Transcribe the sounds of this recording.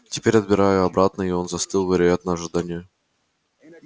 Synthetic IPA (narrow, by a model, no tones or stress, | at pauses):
tʲɪpʲeɾʲɐd̪̚bʲɪɾajʊɐbɾat̪nəɪo̞nzɐst̪ɨlˠvʲɪɾʲɪjat̪nəɐʐɨd̪anʲɪjʊ